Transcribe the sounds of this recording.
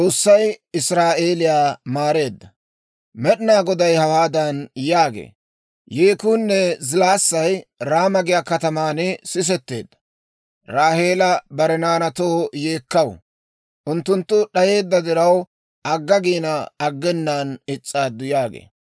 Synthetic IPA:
t͡sʼo̞ːsːɐjɪsɾaːʔe̞ːlɪjaːmaːɾe̞ːd̪ːɐ | mɛɗɪnaːɡɔd̪ɐjhɐwaːd̪ɐnjaːɡḛː | jeːkuːnːɛzɪlaːsːɐjɾaːmɐɡɪjakɐt̪ɐmaːnɪsɪs̬ɛt̪ːe̞̰ːd̪ːɐ̥ | ɾaːhe̞ːlɐbɐɾɛnaːnɐt̪o̞ːjeːkːɐw | ʔʊnt̪ːʊnt̪ːʊɗɐje̞ːd̪ːɐd̪ɪɾɐw | ʔɐɡːɐɡiːnɐɐɡːɛnːaːnɪt͡sʼːaːd̪ːʊjaːɡḛː

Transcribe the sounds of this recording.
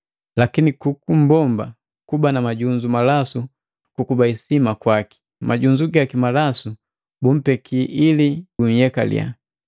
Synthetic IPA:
lakinikukum̩bɔmba | kubanamaɟuɲd͡ʒumalasu | kukubaisimakwaki̥ | mʔaɟuɲd͡ʒuɡakimalasu | bum̩pɛkʰiʔilibuɲ̩jɛka̰lḭa̰

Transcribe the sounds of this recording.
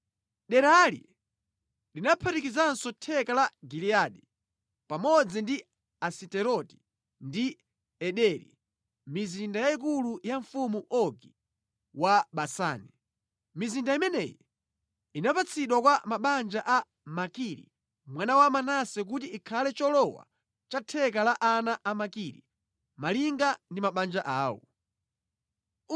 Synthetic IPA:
ɗɛɾalḭ | linapʰaɾikizansɔtʰɛkalaɡiliaɗi | pamɔd͡zindi | asitɛɾɔti̥ | ndi | ɛɗɛɾḭ | mizindajaik̬ulujaɱfumuʔɔɡi | waɓasa̰ːni | mizindaimɛnɛjɔ | inapat͡sʰiɗwakwamaɓand͡ʒaʔa | makiɾḭ | mwanawamanasɛk̬ut̬iikʰalɛt͡ʃɔlɔwa̰ | t͡ʃatʰɛkalaʔanaʔamakiɾḭ | maliŋɡandimaɓand͡ʒaʔaːwɔ̰

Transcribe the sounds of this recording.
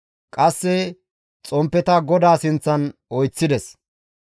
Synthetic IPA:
kʼɐsːɛ | t͡sʼɔmpːɛt̪ɐɡɔd̪aːsɪnt͡sːɐnɔjt͡sːɪd̪ɛs

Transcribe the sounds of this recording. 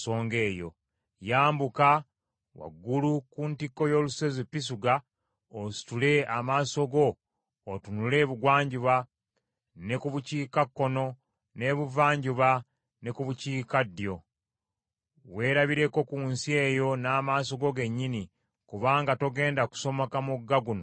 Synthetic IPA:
so̞ːŋɡe̞ːjo̞̰ | jaːmbuka | wa̰ɡːulukuntikːo̞jo̞luse̞zipːis̬uɡa | osi̥tule̞amaːso̞ɡo̞ː | tunule̞ːβuɡwaːɲɟuβa | nekuβuciːkakːo̞no̞ | ne̞βuvaːɲɟuβa | nekuβuciːkadːijo̞ | we̞ːɾaβiɾe̞ko̞kunsie̞ːjo̞naːmaːso̞ɡo̞ɡe̞ɲːini | kuβaːŋɡato̞ɡe̞ːndaku̥so̞mokamuɡːaɡuno̰

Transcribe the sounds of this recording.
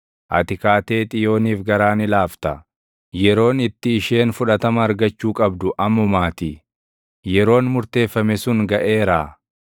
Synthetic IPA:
ʔɐ̰t̪ɪkaːt̪eːt̪ʼɪjo̞ːniːfɡɐɾaːnɪlaːft̪ɐ | jɛɾo̞ːnɪt̪ːɪːʃe̞ːnfʊᶑɐt̪ɐmɐːɾɡɐt͡ʃːuːkʼɐbd̪ʊʔɐmːɔmaːt̪i | jɛɾo̞ːnmʊɾt̪e̞ːfːɐmɛsʊŋɡɐʔe̞ːɾaː

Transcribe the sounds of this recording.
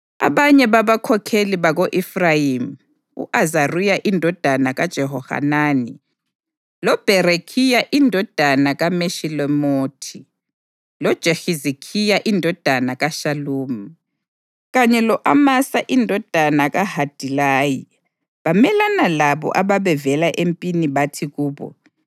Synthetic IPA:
a̰βaɲɛβaβakʰɔkʰeliβaɣoʔifrajimu | ṵʔazarujaʔindʱɔd̥ʱanaɣad̥ʒ̥ʱɛɦɔha̰naːni | lɔb̥ʱɛɾekʰijaʔindʱɔd̥ʱanaɣameʃilɔmoːtʰi | lɔd̥ʒ̥ʱexizikʰijaʔindʱɔd̥ʱanaɣaʃaluːmu | ɣaɲɛlɔʔamasaʔindʱɔd̥ʱanaɣahad̥ʱilaːji | βamɛlanalaβɔ̰ʔaβaβɛvɛlaʔempʼiniβatʰiɣuːβɔ̰

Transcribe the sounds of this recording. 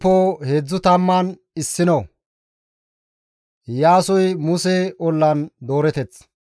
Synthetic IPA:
pːoːheːd͡zːʊt̪ɐmːɐn | ɪsːɪnɐw | jaːsɔjmʊsɛɔlːɐnd̪o̞ːɾɛt̪ɛt͡s

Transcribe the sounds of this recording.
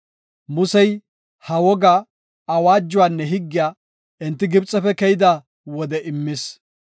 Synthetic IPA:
mʊsɛj | hɐwɔɡaː | waːd͡ʒːʊwaːnːɛɦɪɡːɪjaː | ɪnt̪ːɪɡɪbt͡sʼːɛfɛkɛjɪd̪a | wɔd̪ɛʔɪmːɪs

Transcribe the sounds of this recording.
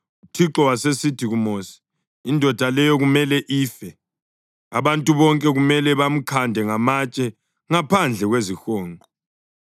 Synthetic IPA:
utʰiǁɔwasesitʰiɣumosi̥ | indʱɔd̥ʱalɛjɔɣumɛlɛʔiːfɛ | aβantʼuβɔŋkʼɛɣumɛlɛβam̩kʰandʱɛŋamat͡ʃʼɛ | ŋapʰand͡ɮʱɛɣwezixɔːŋʱɔ

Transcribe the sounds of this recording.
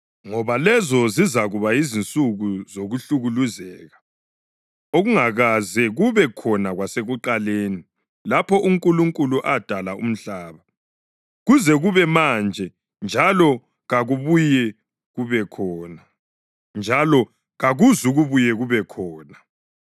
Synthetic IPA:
ŋɔβalɛzɔzizaɣuβaizint͡sʼuɣuzoɣuɬuɣuluzɛːɣa | oɣuŋaɣazɛɣuβɛkʰɔnaɣwaseɣuǃaleːni | lapʰɔʔuŋkʼuluŋkʼuluʔad̥ʱalaʔṵm̩ɬaːβa | ɣuzɛɣuβɛmand͡ʒʱɛ | nd͡ʒʱalɔ | ɣaɣuβujɛ | ɣuβɛkʰɔːna | nd͡ʒʱalɔ | ɣaɣuzuɣuβujɛɣuβɛkʰɔːna

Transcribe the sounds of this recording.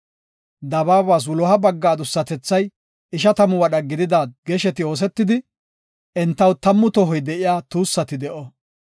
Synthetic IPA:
d̪ɐbaːbaːs̬wʊlɔhɐbɐɡːaːd̪ʊsːɐt̪ɛt͡sːɐj | ɪʃɐt̪ɐmʊwɐɗɐɡɪd̪ɪd̪aːɡɛʃɛt̪ɪo̞ːs̬ɛt̪ːɪd̪ɪ | ʔɛnt̪ːɐwt̪ɐmːʊt̪ɔɦɔjd̪ɛʔɪjaːt̪uːsːɐt̪ɪd̪ɛʔɔ

